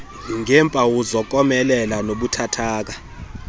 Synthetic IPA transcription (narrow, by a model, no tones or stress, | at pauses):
iŋɛmpʼawuzɔk̬ʼɔmɛlɛlanoɓutʰatʰaːk̬a